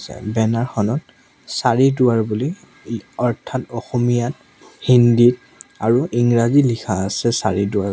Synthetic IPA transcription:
sɛ̰bɛnaɹxɔnɔt | saɹidʊwaɹbuli | ɔɹtʰatɔxɔmijat̚ | hindit | aɹuʔiŋɹazilikʰaːsɛsa̰ɹidʊa

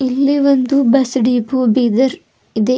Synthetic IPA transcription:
ilːiʋond̪ubɐsɖiːpubiːd̪ɐɾ | id̪e

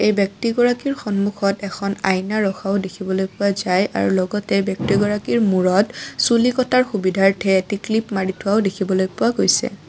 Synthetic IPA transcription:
ejbjɔk̚tiɡɔɹakiɹxɔnmuxɔtɛkʰɔna̰jnaɹɔxʰaʊdekʰibɔlojpʊwazajʔa̰ɹṵlɔɡɔtɛbjɔk̚tiɡɔɹakiɹmuɹɔtsulikɔtaɹxubidʱaɹtʰɛetiklipmaɹitʰʊwaʊdekʰibɔlojpʊwaɡojsɛ̰

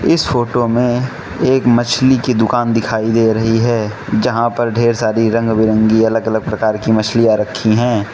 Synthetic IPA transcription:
ɪsfoːʈomẽ | eːkmɐt͡ʃʰlikid̪ʊkaːnd̪ɪkʰaːid̪eːɾɐɦiɦɛːd͡ʒɐɦãpɐɾɖʱeːɾsaːɾiɾɐ̃ŋɡbɪɾə̃ŋɡiɐləɡɐləɡ̚pɾɐkaːɾkimɐt͡ʃʰlijaɾɐkʰːiɦɛ̃ː

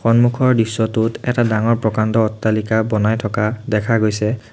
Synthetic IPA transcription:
xɔnmukʰɔɹdisːɔtutɛtadaŋɔɹpɹɔkandɔːtːalikabɔnajtʰɔkadɛkʰaɡojsɛ

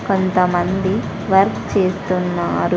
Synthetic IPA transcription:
ko̞nt̪ɐmɐnd̪i | ʋɐɾkt͡ʃeːst̪unːaːɾu

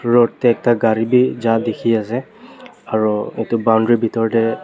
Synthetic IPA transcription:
ɹottɛɛk̚taɡaɹibizadekʰiasɛ | aɹuetʊbawndɹibʱitɔɹtɛ

